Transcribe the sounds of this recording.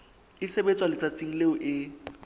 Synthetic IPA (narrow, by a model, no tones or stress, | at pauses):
ɪsebet͡sʼwalɪt͡sʼat͡sʼiŋ̩leʊʔɪ